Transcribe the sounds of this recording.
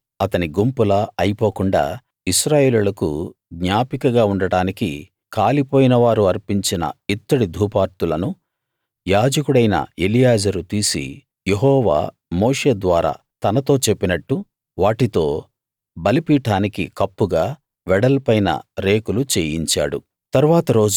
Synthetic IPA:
ɐt̪ɐniɡumpulɐɐjipo̞ːkuɳɖa̰ː | iʃɾaːje̞ːlulɐkṵɡɲaːpikɐɡaːuɳɖɐɽaːnikḭ | kaːlipo̞ːjinɐʋaːɾuɐɾpiɲt͡ʃinɐ̰it̪ːɐɽid̪ʱuːpaːɾt̪ulɐnu | jaːd͡ʒɐkuɽɐjnɐ̰elijaːd͡ʒɐɾut̪iːsḭ | jeɦɔːʋa̰ː | moːʂe̞ːd̪ʋaːɾa̰ː | t̪ɐnɐt̪o̞ːt͡ʃe̞pːinɐʈːu | ʋaːʈit̪o̞ː | bɐlipiːʈaːnikikɐpːuɡaː | ʋɛɽɐlpɐjnɐ̰ɾe̞ːkulut͡ʃeːjiɲt͡ʃa̰ːɽṵ | t̪ɐɾuʋaːt̪ɐɾo̞ːd͡ʒ

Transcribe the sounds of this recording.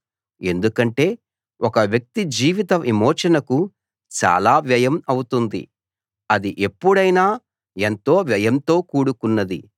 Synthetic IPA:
e̞nd̪ukɐɳʈe̞ː | ʔɔkɐʋjɐk̚t̪id͡ʒiːʋit̪ɐmʔimoːʃɐnɐku | t͡ʃa̰ːlaːʋjɐjɐmɐwut̪und̪ḭ | ɐd̪iʔe̞pːuɽɐjnaː | ent̪o̞ːʋjɐjɐmt̪o̞ːkuːɽukunːɐd̪ḭ

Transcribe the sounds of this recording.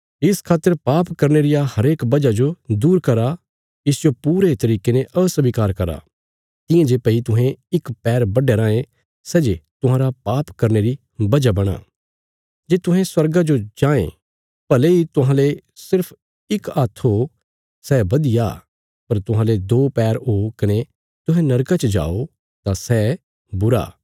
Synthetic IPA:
ɪskʰaːt̪ːəɾpaːpkɐɾneɾɪjahɐɾeːkbɐd͡ʒad͡ʒod̪uːɾkɐɾa | ɪsjopuːɾet̪ɐɾiːkeneʔɐsɐbikaːɾkɐɾa̰ | t̪ɪ̃jãd͡ʒeːpɐit̪ʊɦẽɪkpɛːɾbɐɖeɾãːẽ | sɛːd͡ʒet̪ʊ̃ɦãːɾapaːpkɐɾneɾi | bɐd͡ʒabɐɽ̃a̰ː | d͡ʒeːt̪ʊɦɛ̃swɐɾɡad͡ʒod͡ʒãːḛ̃ | pɐleit̪ʊɦãlesɪɾpʰ | ɪkaːt̪ʰɦo | sɛːbɐd̪ija̰ː | pɐɾt̪ʊɦãːled̪oːpɛːɾɦokɐne | t̪ʊ̃ɦɛ̃nɐɾkat͡ʃəd͡ʒa̰ːo | t̪asɛ | bʊɾa̰ː

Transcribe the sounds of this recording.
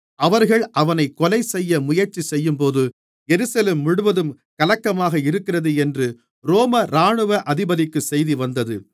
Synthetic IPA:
ʔɐʋɐɾɣɐɭʔɐʋɐnɐɪkːɔlɐɪsɛjːɐmʊjɐɾt͡ʃisɛjːɯmpoːðɯ | ɛɾɯsɐleːmːʊɽɯʋɐðɯm | kɐlɐkːɐmaːɣɐɪɾɯkːɪrɐðɯɛndrɯ | ɾoːmɐɾaːɳɯʋɐʔɐðɪbɐðɪkːɯsɛjðiʋɐnd̪ɐðɯ

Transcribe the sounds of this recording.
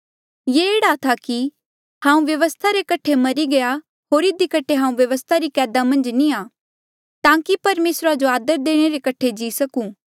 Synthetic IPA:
jeeːɽat̪ʰaki | hãːũʋjɐʋəst̪ʰaɾekɐʈʰemɐɾiɡɐja | ɦoːɾɪd̪ikɐʈʰːeɦãːũʋjɐʋəst̪ʰaɾikɛːd̪amɐ̃nd͡ʒniaː | t̪ãːkipɐɾmeːsɾad͡ʒoaːd̪əɾd̪eːɽ̃eɾekɐʈʰed͡ʒiːsɐkũː

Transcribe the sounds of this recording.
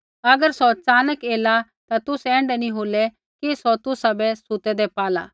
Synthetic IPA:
ɐɡəɾsɔt͡saːnəkeːla | t̪at̪ʊsɛ̃ːɳɖɛnĩɦoːlɛ | kisɔt̪ʊsabɛsʊt̪ɛd̪ɛpaːla̰ː

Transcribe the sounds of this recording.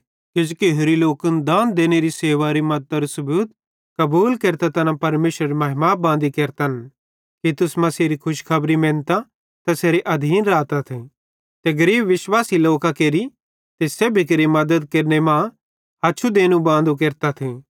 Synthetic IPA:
kɪd͡ʒukeɦʊɾiloːkənd̪ãːnd̪eːneɾiseːʋaɾimɐd̪t̪ɾusɐbuːt̪ | kɐbuːlkeːɾt̪at̪ɐnãpɐɾmeːʃɾɐɾemɐɦɪmabãːn̆d̪ikeːɾt̪ɐn | kit̪ʊsmɐ̃seːɾikʰʊʃkʰɐbɾimẽːnt̪a | t̪ɐseːɾeʔɐd̪ʱiːnɾaːt̪at̪ʰi | t̪eɡɐɾiːbʋɪʃwaːsiloːkakeːɾi | t̪esebʱik̬eɾimɐd̪əd̪keɾnemã | ɦatːʃʰud̪eːnũbãːnd̪ukeːɾt̪at̪ʰi

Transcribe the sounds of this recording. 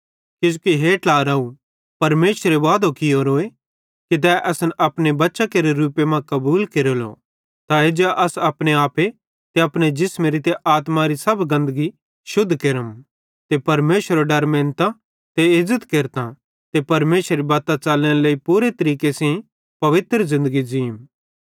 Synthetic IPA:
kɪd͡ʒukiɦeːʈaːɾaːu | pɐɾmeːsəɾeʋaːd̪okɪjoɾoːe | kit̪̬ɛʔɐsənɐpnebɐtːʃakeːɾeɾuːpemãkɐbuːlkeːɾolo̰ | t̪aed͡ʒɛʔɐsɐpɽ̃eaːpe | t̪eɐpñed͡ʒɪsmeɾit̪eʔaːt̪mãɾisɐbɡɐ̃nd̪əɡi | ʃʊd̪ʱːkeɾəm | t̪epɐɾmeːsəɾoɖɐɾmẽːnt̪ã | t̪eɪzːət̪keːɾt̪ã | t̪epɐɾmeːsɾibaːt̪at͡ʃaːlẽleːipuːɾet̪ɐɾiːkesẽ | pɐʋɪt̪ɾəzɪ̃nd̪əɡid͡ʒiːm

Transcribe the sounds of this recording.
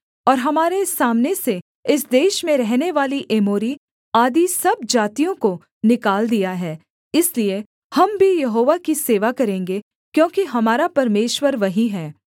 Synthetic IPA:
ɔːɾɦɐmaːɾesːaːmnese | ɪsd̪eːʃmẽɾɛɦneʋaːliʔeːmoːɾi | aːd̪isɐb̚d͡ʒaːt̪ijõko | nɪkaːld̪ijaɦɛː | ɪslie | hɐmbʱijɐɦoːʋakiseːʋakɐɾẽːŋɡe | kjõːkiɦɐmaːɾapɐɾmeːʃwəɾʋɐɦĩɦɛː

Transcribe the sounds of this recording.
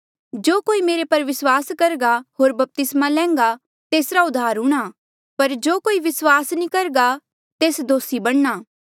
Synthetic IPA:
d͡ʒoːkoːimeːɾepɐɾʋɪswaːskɐɾɡaɦoːɾbɐp̚t̪ɪsmalɛ̃ːŋ̆ɡa | t̪eːsɾaʊd̪ʱːaːɾɦũːɽ̃a | pɐɾd͡ʒoːkoːiʋɪswaːsnĩkɐɾɡa | t̪eːsd̪oːsibɐɽ̃naː

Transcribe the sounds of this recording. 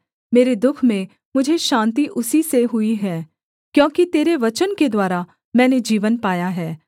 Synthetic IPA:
meːɾed̪ʊkʰmẽ | mʊd͡ʒʱeʃãːnt̪̬iʔʊsiseɦʊiɦɛː | kjõːkit̪eːɾeʋɐt͡ʃənked̪waːɾa | mɛ̃ːned͡ʒiːʋənpaːjaɦɛː

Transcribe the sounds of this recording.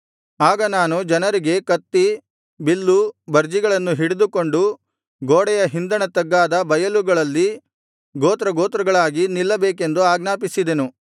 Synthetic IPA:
aːɡɐnaːnud͡ʒɐnɐɾiɡe̞kɐt̪ːi | bilːubɐɾd͡ʒiɡɐɭɐnːuɦiɽed̪uko̞ɳɖu | ɡoːɽɛjɐɦind̪ɐɳɐt̪ɐɡːaːd̪ɐbɐjɐluɡɐɭɐlːi | ɡoːt̪ɾɐɡoːt̪ɾɐɡɐɭaːɡinilːɐbeːk̬e̞nd̪uaːɡnaːpisid̪e̞nu

